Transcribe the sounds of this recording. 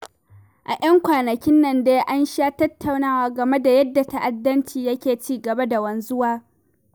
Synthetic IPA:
ʔa̰˨ʔɐ˦ŋkʷaː˨nɐ˨kʲɪ˦nːɐ˨ndeː˦ʔa˦nʃaː˦tɐ˦tʰːa˨wnaː˦waː˦ɡɐ˨me˦da˨jɐ˦dːa˨ta˦ʔa˨dːɐ˦nt͡ʃiː˨jɐ˦kʲeː˨t͡ʃiː˦ɡɐ˨ba˦da˨wɐ˦n˦zʊ˦waː˦

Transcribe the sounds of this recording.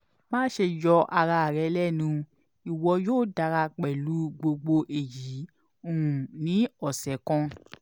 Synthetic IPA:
mãː˦ʃe˧jɔ˧ʔa˧ɾa˧˨ɾɛ˨˧˦lɛ˦˨nũ˧ | i˨wɔ˧joː˦˨da˧ɾa˧k͡pɛ˨lu˨˦ɡ͡bo˧ɡ͡bo˧ʔe˨ji˨˦ | o˨ũ˨nĩ˨˦ɔ˨sɛ˨˦kɔ̃˧

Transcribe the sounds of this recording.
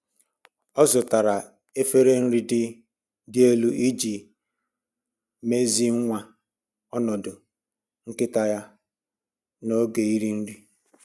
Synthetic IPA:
ɔ˦zʊ˨ta˨ɾa˨ | e˦fe˦ɾe˦n̩˦ɾi˦dɪ˦ | dɪ˦e˦lu˦i˦d͡ʒi˨ | me˦zi˦ŋ̩˦ŋʷa˦ | ɔ˦nɔ˨dʊ˨ | ŋ̩˦kɪ˦ta˦ja˦ | no˦ɡe˨i˦ɾi˦n̩˦ɾi˦

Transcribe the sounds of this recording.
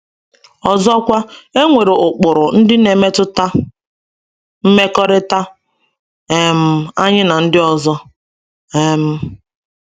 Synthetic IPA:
ɔ˨zɔ˦kʷa˦e˦ŋʷe˨ɾe˨ʔʊ˨k͡pʊ˨ɾʊ˨n̩˦dɪ˦ne˨me˦tʊ˦ta˦ | m̩˦me˦kɔ˦ɾɪ˦ta˦ | e˨m̩˨a˦ɲɪ˦na˨n̩˦dɪ˦ɔ˨zɔ˦ | e˦m̩˦

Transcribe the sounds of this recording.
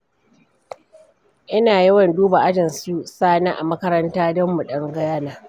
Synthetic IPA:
ʔɪ˦naː˨ji˦wɐ˨nduː˦ba˨ʔa˦d͡ʒɐ˨nsuː˦saː˦naː˦ʔa̰˨mɐ˦kɐ˦ɾɐ˦ntaː˦dɔ˦mːu˨ɗɐ˦ŋɡɐ˦jaː˦naː˨

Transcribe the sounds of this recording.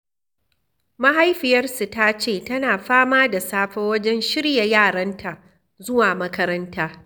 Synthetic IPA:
mɐ˦ɦa˦jɸɪ˨jɐ˦rsu˨ta˦t͡ʃeː˦˨tɐ˦naː˨ɸaː˦maː˦da˨saː˦ɸɛ˦wɐ˦d͡ʒɛ˦nʃɪ˦ɽja˨jaː˦˨ɽɐ˦ntʰa˨ | zʊ˦waː˨mɐ˦kɐ˦ɾɐ˦ntaː˦

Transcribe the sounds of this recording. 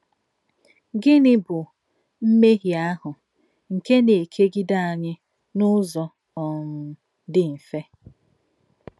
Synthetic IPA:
ɡɪ˦nɪ˦bʊ˨ | m̩˦me˦ɦi˨a˦ɦʊ˨ | ŋ̩˨ke˦ne˨e˨kʰe˦ɡi˦da˦a˨ɲɪ˦ | nʊ˦zɔ˨ | ɔ˨m̩˦ | dɪ˦m̩˨fe˦

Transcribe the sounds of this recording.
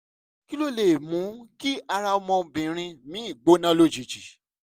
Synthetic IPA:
ki˦lo˦˨le˨mũ˨˦ki˦a˧ɾa˧ɔ˧mɔ̃˧bĩ˨ɾ̃ĩ˧mĩ˨˦i˦˨ɡ͡bo˨˦nã˦lo˦d͡ʒi˨d͡ʒi˨

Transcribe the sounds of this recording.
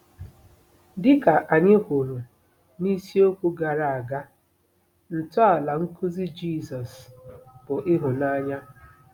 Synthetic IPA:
dɪ˦ka˨ʔa˨ɲe˦ɦo˨ɾu˨ | ni˦si˦o˦kʷu˦ɡa˨ɾa˨a˨ɡa˦ | n̩˨tʊ˦a˨la˨ŋ̩˦kʊ˦zi˦d͡ʒi˦˨sɔ˨sb̥ʊ˨ʔɪ˦ɦʊ˨na˦ɲa˦

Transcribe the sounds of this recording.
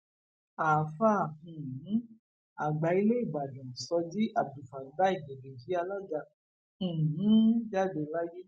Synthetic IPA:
a˨fa˦˨hũ˨˦ | a˨ɡ͡ba˨i˧˦le˦i˦˨ɡ͡ba˨dɔ̃˨sɔ˧di˦ʔa˦˨bdu˨fa˨˦ba˦i˦˨ɡe˨be˨d͡ʒi˨˦a˧la˦d͡ʒa˧ | ũ˨ũ˦d͡ʒa˦de˧la˦ji˦

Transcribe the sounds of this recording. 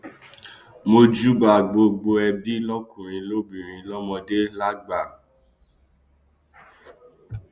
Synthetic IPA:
mo˧d͡ʒu˦ba˨ɡ͡bo˧ɡ͡bo˧ɛ˧bi˦lɔ˦kũ˨ɾ̃ĩ˧lo˦bĩ˨ɾ̃ĩ˧lɔ˦mɔ̃˧de˦la˦ɡ͡ba˦˨

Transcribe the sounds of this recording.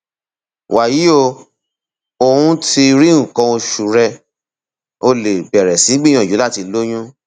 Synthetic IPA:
wa˨ji˨˦o˧ | o˧hũ˦ti˧ɾĩ˦˨kɔ̃˧o˧ʃu˨ɾɛ˧ | o˧le˨bɛ˨ɾɛ˨sĩ˨˦ɡ͡bĩ˦ɔ̃˨d͡ʒu˨˦la˦˨ti˧lo˦j̃ũ˦

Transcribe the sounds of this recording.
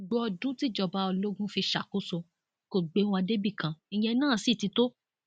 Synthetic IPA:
ɡ͡bu˨˦ɔ˧dũ˦ti˦˨d͡ʒɔ˧˨ba˨˧ɔ˧lo˦ɡũ˦fi˧ʃa˨ko˦so˧ | ko˨ɡ͡be˨˦w̃ɔ̃˧a˧de˦bi˦˨kã˨i˧j̃ɛ̃˧nãː˦˨si˦˨ti˧to˦

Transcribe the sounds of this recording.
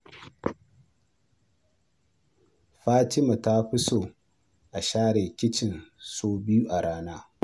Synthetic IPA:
ɸaː˦tɪ˦ma˨ta˦ɸɪ˦soː˨ | ʔa˨ʃaː˦ɽe˨kʲɪ˦t͡ʃɪ˨nsoː˦bɪ˦ju˦ʔa˨ɽaː˦naː˦

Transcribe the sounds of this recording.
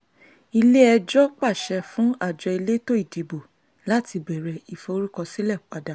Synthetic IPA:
i˧le˦ɛ˧d͡ʒɔ˦k͡pa˦˨ʃɛ˧fũ˦a˦˨d͡ʒɔ˧i˧le˦to˦i˦˨di˨bo˨ | la˨˦ti˧bɛ˨ɾɛ˨i˨fo˧o˧ɾu˦kɔ˧si˦lɛ˦˨k͡pa˨da˨

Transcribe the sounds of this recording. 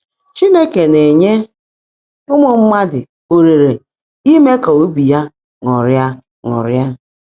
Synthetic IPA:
t͡ʃi˦ne˦ke˨ne˨ɲe˦ | ʊ˦mʊ˨m̩˦ma˦dɪ̰˨ | o˨ɾe˨ɾe˨ | i˦me˦ka˨o˦bi˨ja˦ | ŋʊ˨ɾja˦ | ŋʊ̰˨ɾja˦

